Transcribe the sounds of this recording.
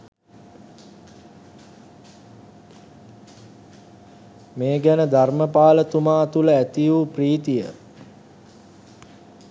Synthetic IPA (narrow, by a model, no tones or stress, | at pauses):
meːɡænəd̪ʱarməpaːlət̪umaːt̪uləæt̪ijupriːt̪ijə̰